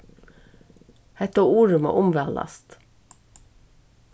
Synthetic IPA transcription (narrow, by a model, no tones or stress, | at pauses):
hɛt̪ouːɹʉmɑ̰ʔʊmʋɛːlʔɑ̰st̪